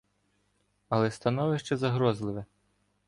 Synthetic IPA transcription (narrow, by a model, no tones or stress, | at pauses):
ɐlˠɛst̪ɐnɔʋɪʃt͡ʃɛzɐɦɾɔzlˠɪʋɛ